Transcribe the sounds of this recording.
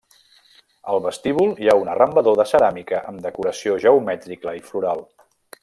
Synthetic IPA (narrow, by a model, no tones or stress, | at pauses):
əlˠβəst̪iβulˠjaunərəmbəðoðəsəɾamikəʔəmd̪əkuɾəsioʒəumɛt̪ɾikəifluɾalˠ